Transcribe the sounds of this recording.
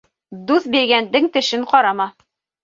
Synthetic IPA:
d̪uθbiɾɡænd̪ɘŋt̪ɘ̆ʃɘɴqɒɾɑmɑ

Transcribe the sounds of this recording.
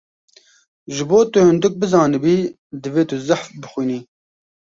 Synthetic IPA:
ʒɨboːt̪ɨhɨnd̪ɨk̚bɨzɑːnɨbiː | d̪ɨveːt̪ɨzaħfbɨxʷwiːniː

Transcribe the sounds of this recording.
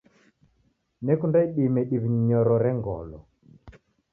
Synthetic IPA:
nɛkundaiɗimɛɗiβiniɲɔɾɔɾɛŋɡɔ̰lɔ̰

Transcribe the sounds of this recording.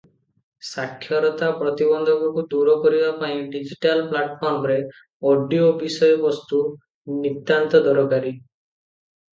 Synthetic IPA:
sakʰːjɔɾɔt̪apɾɔt̪ibɔnd̪ʱɔkɔkud̪uɾɔkɔɾibapaĩɖid͡ʒiʈalplaʈpʰɔɾmɔɾe | ɔɖiobisɔjɔbɔst̪u | nit̪ːant̪ɔd̪ɔɾɔkaɾi

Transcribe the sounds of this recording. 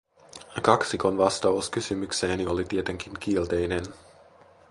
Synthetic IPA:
kɑksiko̞nʋɑst̪ɑuskysymyksenio̞lit̪iet̪e̞ŋk̟iŋkielt̪e̞jne̞n

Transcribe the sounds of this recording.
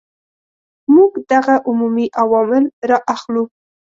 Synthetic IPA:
muɡd̪aɣaʔʊmumiʔawɑmɪlɾɑʔaxlu

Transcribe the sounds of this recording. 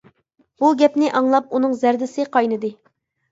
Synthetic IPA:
buɡʲɛpnɪʔɑŋlˠɑp̚unɨŋzæɾd̪ɪsɪqʰɑjnɨd̪ɨ

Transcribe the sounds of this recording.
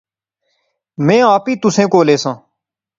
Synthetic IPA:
mɛ̃ːaːpiːt̪ʊsẽːkoːleːsãː

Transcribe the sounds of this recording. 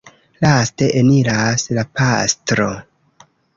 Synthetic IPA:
laste̞ʔenilaslapastɾo̞

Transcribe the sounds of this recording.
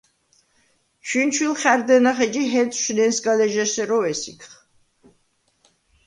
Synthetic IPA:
ʃint͡ʃʰwilχæɾd̪ɛnaχɛd͡ʒiɦɛt͡sʼʃnɛnsɡalɛʒɛʃɛɾɔɛsikʰχ

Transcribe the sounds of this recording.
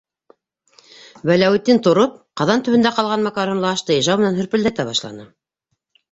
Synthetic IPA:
wælæwɘ̆t̪ːint̪ŏɾop̚qɑðɑnt̪ɵ̆βɘ̆nd̪æqɑlˠʁɑnmɑkɑɾŏmlˠɤɑʃt̪ɤiʒɑwmɘ̆nænhɵ̆ɾpɘ̆ld̪æk̚t̪æβɑʃlˠɑ̰nɤ

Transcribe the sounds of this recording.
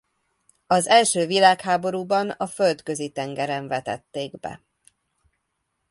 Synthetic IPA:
ɒzɛlʃøːvilaːkhaːbo̞ɾuːbɒnɒføld̪kø̞zit̪ɛŋɡɛɾɛɱvɛt̪ɛ̰t̪ːeːɡbɛ̰

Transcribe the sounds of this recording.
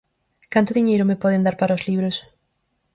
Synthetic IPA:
kant̪ʊðiɲejɾʊmepɔðend̪aɾpaɾɐozliβɾos

